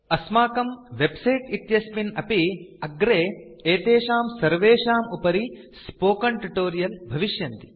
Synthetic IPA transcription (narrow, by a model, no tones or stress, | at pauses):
ɐsmaːkɐmʋebsɐjʈit̪jɐspinɐpiɐɡɾeːeːt̪eːʃaːmsɐɾʋeːʂaːmupɐɾi | spoːkɐɳʈuʈoːɾijɐlbʱɐʋiʃjɐnt̪i̥